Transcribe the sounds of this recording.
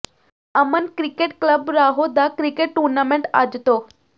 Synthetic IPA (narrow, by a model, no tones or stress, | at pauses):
əmənkɾikeʈkləbɾaɦod̪akɾikeʈʈːuɾnamẽɳʈa̰d͡ʒt̪o